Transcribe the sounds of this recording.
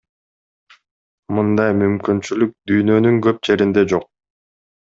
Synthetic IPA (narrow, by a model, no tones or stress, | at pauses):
mɯnd̪ɑjmymkynt͡ʃylyk̚d̪yjnø̞nyŋɡø̞p̚d͡ʒe̞ɾind̪e̞d͡ʒo̞q̚